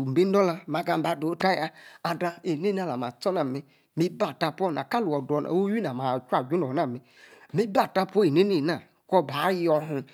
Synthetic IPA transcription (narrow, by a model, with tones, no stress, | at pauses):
m̩˨e˦n˦dɔ˦la˧ma˨ɡa˨ba˨do˨˦ta˦ja˦a˨da˧e˨ne˦na˦˨la˨ma˨t͡sɔ˦na˨mi˦ | mi˦ba˨ta˧pʷɔ˦˨na̰˨ka˦lu˨ɔ˨dɔ˨na̰˨˦o˦ji˦na˨ma˨t͡ʃʷa˨ɡu˦nɔ˨na˦˨mi˨ | mi˦ba˦˨ta˦pʷɔ˦e˨ne˦ne˦˨na˨ | kɔ˦˨ba˨˦jɔ˧ɦu˧